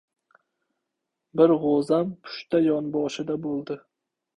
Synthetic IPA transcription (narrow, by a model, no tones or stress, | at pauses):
bɪɾʁozampʰʊ̥ʃt̪ajɒnbɒʃɪd̪abolˠd̪ɪ